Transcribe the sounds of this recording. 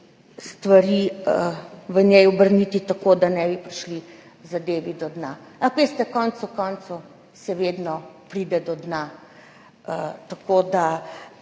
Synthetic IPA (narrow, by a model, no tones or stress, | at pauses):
st̪ʋaɾiəʋənjɛjɔbəɾnit̪it̪akod̪anɛbipɾiʃli | zad̪eːʋid̪ɔd̪naakʋest̪ɛkɔnt̪sukɔnt̪su | sɛʋeːd̪nɔpɾid̪ɛd̪ɔd̪na | ət̪akod̪a